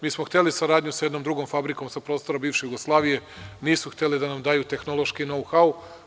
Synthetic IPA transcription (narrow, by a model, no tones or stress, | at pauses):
miːsmoxt̪e̞lisaɾaːd̪ɲusjed̪nomd̪ɾuɡomfabɾiko̞msapɾo̞ːst̪o̞ɾabiːʋʃejuɡoslˠaːʋije̞niːsuxt̪elid̪anamd̪aːjut̪e̞xnolˠo̞ʃkino̞wxau